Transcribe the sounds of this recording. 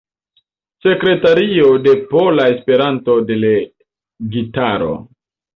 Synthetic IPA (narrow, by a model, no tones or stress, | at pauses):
se̞kɾe̞taɾio̞de̞polae̞spe̞ɾanto̞de̞le | ɡitaɾo̞̰